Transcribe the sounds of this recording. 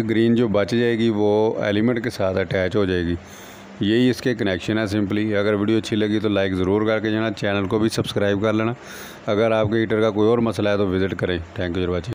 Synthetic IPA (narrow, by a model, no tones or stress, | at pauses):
ɡɾiːnd͡ʒoːbət͡ʃd͡ʒaːeːɡiʋoːɛ̰ːlɪmə̃ɳʈkesaːt̪ʰəʈɛːt͡ʃɦoːd͡ʒaːeːɡiː | jeiɪskekənɛːkʃənɦɛːs̬ɪ̃mpliːəɡəɾʋiːɖijoːət͡ʃʰiləɡit̪olaːɪkzəɾuːɾkəɾked͡ʒeːnaːt͡ʃɛːnəlkobʱisəbskɾaːɪb̚kəɾleːñaː | əɡəɾaːp̚keiʈəɾkakoːiɔːɾməslaɦɛːt̪oʋɪzɪʈkəɾẽːʈ̪ʰɛ̃ːŋkjud͡ʒɾbət͡ʃe